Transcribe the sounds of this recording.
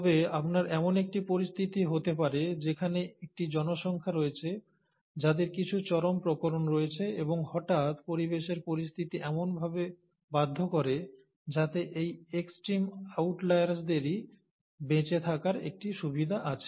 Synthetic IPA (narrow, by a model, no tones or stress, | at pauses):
t̪ɔbeapnaɾɛmonek̚ʈipoɾist̪ʰit̪iɦot̪epaɾed͡ʑekʰaneek̚ʈid͡ʑɔnoʃɔŋkʰaɾoet͡ɕʰe | d͡ʑad̪eɾkit͡ɕʰut͡ɕɔɾompɾokoɾonɾoet͡ɕʰeeboŋhɔʈat̪poɾibeʃeɾpoɾist̪ʰit̪iʔɛmonbʱabe | bad̪ʱːokɔɾe | d͡ʑat̪eʔejeksʈɾimawʈlajɾsd̪eɾi | bet͡ɕet̪ʰakaɾḛk̚ʈiʃubid̪ʱaʔat͡ɕʰe̥